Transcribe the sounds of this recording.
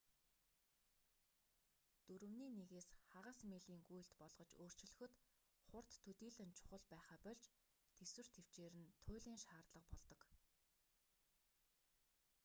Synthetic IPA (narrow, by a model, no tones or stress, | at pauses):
t̪uɾɵ̆wniːneɣeːsχaʁăːsmeɮiːŋɡuj̆ɬt̪pɔɮʁɞ̆t͡ɕoːr̥t͡ɕɪ̆ɮɵ̆xɵ̆t̪ | χʊr̥t̪ʰːɵt̪iːɮɘ̆nt͡ɕʰʊ̥χə̆ɮpæːχaːpɔɮt͡ɕ | t̪ʰeswɘ̆r̥t̪ʰew̥t͡ɕeːɾɘ̆nt̪ʰʊːɮiːŋʃaːrt̪ɮə̆qpɔɮt̪ɞ̆k